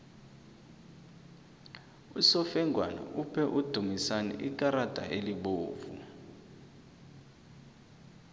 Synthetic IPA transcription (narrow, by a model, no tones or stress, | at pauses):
usɔfɛŋʱwana̰ʔupʰɛʔud̥ʱumisanɛ̰ʔik̬ʼaɾad̥ʱa̰ʔeliɓoːvṵ